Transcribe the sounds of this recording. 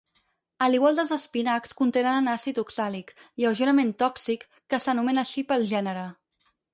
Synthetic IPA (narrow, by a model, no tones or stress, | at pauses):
əliɣwalˠd̪əlˠzəspinakskunt̪enənənasit̪uksalikiəwʒəɾəment̪ɔksikːəsənumɛnəʃipəlˠʒɛnəɾə